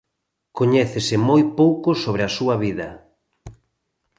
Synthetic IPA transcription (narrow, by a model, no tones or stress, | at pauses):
koɲɛθɪsɪmojpowkosoβ̞ɾɪasuɐβiðɐ